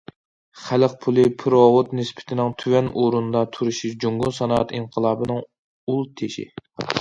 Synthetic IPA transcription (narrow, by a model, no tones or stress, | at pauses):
χæləq̚pʰulˠɨpʰɨɾowot̪nɪspʰɪ̥t̪ʰɪnɪŋt̪ʰywɛnʔuɾund̪ɑt̪ʰuɾuʃiʃd͡ʒuŋɡunsɑnɑːɑt̪inqʰəlˠɑːbɨnɨŋ | ulˠt̪ʰeʃɪ̰